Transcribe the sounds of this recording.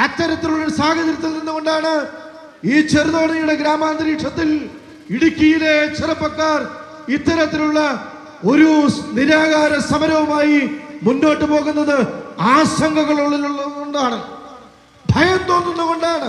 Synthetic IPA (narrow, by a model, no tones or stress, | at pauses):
ɐt̪ːɐɾɐt̪ːiluɭːɐsaːɡɐd͡ʑɐɾit̪ːulninːuko̞ɳɖaːɳɨ | iːt͡ɕerðɐɐɳɐjuɽe̞ɡɾaːmaːnd̪ɾiːʈʂʰɐt̪ːil | iɽukʲːijilet͡ɕerɐpːɐkːaːr | it̪ːɐɾɐt̪ːiluɭːɐ | o̞ɾuniɾaːɣaːɾɐsɐmɐɾɐʋɐmaːjimunːo̞ːʈːɨpo̞ːɣunːɐðɨaːsɐŋɡɐɣɐɭuɭːiluɭːɐoɳɖaːɳɨ | ɖʱɐjɐnt̪o̞ːnːunːuko̞ɳɖaːɳɨ